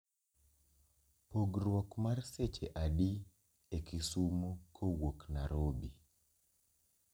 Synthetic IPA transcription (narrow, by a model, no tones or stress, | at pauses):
poɡɾwɔkmarset͡ʃeʔaɗi | ekisumokʰowoknaɾobi